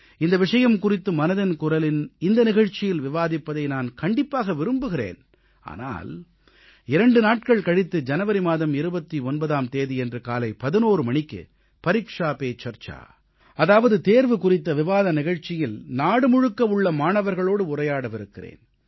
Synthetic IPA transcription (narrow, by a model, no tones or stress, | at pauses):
ɪnd̪ɐʋɪʂɐjɐmkʊrɪt̪ːɯmɐnɐðɐnkʊrɐlɪnɪnd̪ɐnɪɣɐɻt͡ʃɪjɪlʋɪʋaːðɪpːɐðɐɪnaːnkɐɳɖɪpːaːɣɐʋɪɾɯmbɯɣɪrḛːn | a̰ːna̰ːl | ɪɾɐɳɖɯnaːʈ̚kɐɭkɐɽɪt̪ːɯd͡ʒɐnɐʋɐɾimaːðɐmɪɾɯbɐt̪ːiɔnbɐðaːmt̪eːðiɛndrɯkaːlɐɪpɐðɪnoːɾɯmɐɳɪkːɯ̰ | pɐɾiːkʂaːpeːt͡ʃɐɾt͡ʃa̰ː | ɐðaːʋɐðɯt̪eːɾʋɯkʊrɪt̪ːɐʋɪʋaːðɐnɪɣɐɻt͡ʃːɪjɪlnaːɽɯmʊɻɯkːɐʋɯɭːɐmaːɳɐʋɐɾɣɐɭoːɽɯʊrɐjaːɽɐʋɪɾɯkːɪrḛːn